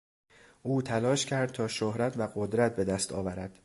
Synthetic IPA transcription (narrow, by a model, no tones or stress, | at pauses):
ʔuːt̪ʰælɒːʃcʰæɾd̪̚t̪ʰɒːʃohɾæt̪ʰvæɢod̪ɾæt̪̚be̞d̪æst̪ʰɒ̰ːvæɾæd̪̥